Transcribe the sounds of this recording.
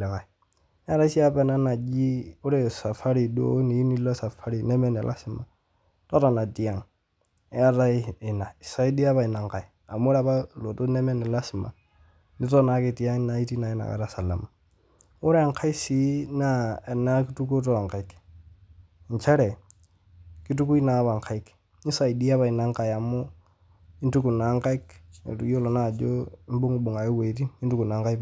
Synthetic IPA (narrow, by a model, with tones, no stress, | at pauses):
lɛ˨ka˨i˨˦ | a˦ɾa˦si˦a˦pɛ˨na˦na˨d͡ʒi˦ʊ˦ɾɛ˨sa˨fa˦ɾi˨do̰˦ni˨i˦ni˦lɔ˦sa˨fa˦ɾi˨nɛ˦mɛ˦˨nɛ˨lʔa̰˦sɪ˨ma˨ | tɔ˦ɾa˨na˨ti˨a˦ŋ˦ | a˦ɾa˦ɪ˨na˨ɪ˨sa˦i˦di˦a˦pa˨ɪ˨na˨ŋ˨ka˨j | a˨mʊ˦ɾa˦pa˦lo˨to˦nɛ˦mɛ˦nɛ˨la˦sɪ˨ma̰˨ | nɪ˦tɔ˦na˨kɪ˨ti˨a˦ŋ˦na˨˦i˦ti˦na˨ɪ˦na̰˨ka̰˨ɾa˨sa˨la̰˨ma˨ | ʊ˦ɾŋkʰa˦i˦si˦na˦˨na˦ki˦tu˦ko˦t̬o˦a˨ŋka˨i˦k | nt͡ʃa˦ɾɛ˨ | ki˦t̬u˦ku˦i˦na˨˦βa˨ŋka˦i˦k | i˦sa˨i˨di˦a˦βa˨i˨na˨˦ŋka˨ja˨mo˦ | ɪ˦ntu˦ku˨na˨˦ŋka˦i˦kḛ˨tu˨jo˦lɔ˨na˦˨d͡ʒo˦m˦bʊ˦ŋu˨ɓʊ˨ŋa˨ɪ˦we˨˦ti˦ɪ˦ntu˦ku˨na˨˦ŋka˦i˦